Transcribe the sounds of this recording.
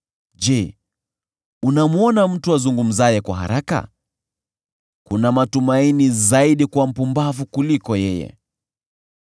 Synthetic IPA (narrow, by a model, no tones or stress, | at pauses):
d͡ʒɛ | unamuɔnam̩tuazuŋɡum̩zajɛkwa̰ɦa̰ɾaka̰ | kunamatumainizaiɗikwam̩pumbavukulikɔjɛjɛ̰